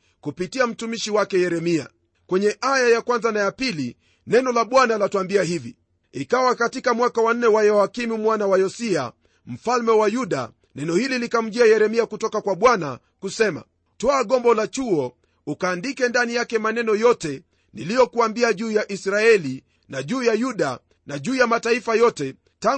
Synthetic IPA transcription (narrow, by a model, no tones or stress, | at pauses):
kupitiam̩tumiʃiwakɛjɛɾɛmia̰ | kwɛɲɛʔajajakwanzanajapili | nɛnɔlaɓwanalatuambiaɦivi | ikawakatikamwakawan̩ːɛwajɔakimumwanawajɔsia̰ | m̩falmɛwajuɗa̰ | nɛnɔhililikam̩ʄiajɛɾɛmiakutɔkakwaɓwana̰ | kusɛma̰ | tɔaɠɔmbɔlat͡ʃuɔ | ukaːndikɛndanijakɛmanɛnɔjɔtɛ | nilijɔkuambiaʄuːjaʔisɾaɛli | naʄuːjajuɗa | naʄuːjamataifajɔtɛ | ta